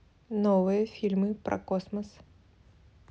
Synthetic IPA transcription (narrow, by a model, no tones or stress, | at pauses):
nɔvɨjɐfʲilʲmɨpɾʔɐ̰kɔsmɐs